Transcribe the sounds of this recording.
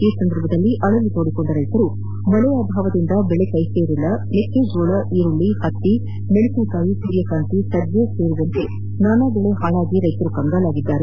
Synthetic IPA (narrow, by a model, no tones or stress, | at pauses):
iːsɐnd̪ɐɾbʱɐd̪ɐlːiʔɐɭɐlːit̪oːɽikoɳɖɐɾɐjt̪ɐɾu | mɔlɐjɐaːbʱaːʋɐd̪ind̪ɐbɛɭekɐjseːɾilːɐnekːed͡ʒoːɭɐʔiːɾuɭːihɐt̪ːi | meɭukikaːjipuɾjɐkaːnt̪isɐdd͡ʒjeseːɾuʋɐnt̪e | naːnaːbɛɭeɦaːɭaːɡiɾɐjt̪ɐɾukɐŋɡalaːɡid̪ːaːɾe